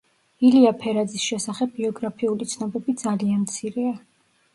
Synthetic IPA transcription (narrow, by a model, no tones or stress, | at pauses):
iliapʰɛɾad̪zisʃɛsaχɛbːiɔɡɾapʰiulit̪sʰnɔbɛbid̪zalianmt̪sʰiɾɛa